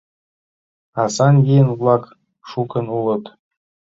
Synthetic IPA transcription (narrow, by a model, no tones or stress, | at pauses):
ɑsɑnɡʲijənvlˠɑk | ʃukɤ̆nulˠɤ̆t̪